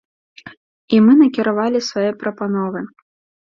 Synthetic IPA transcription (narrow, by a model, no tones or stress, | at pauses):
imɨnɐkʲiɾavalʲisvajɛpɾɐpanɔvɨ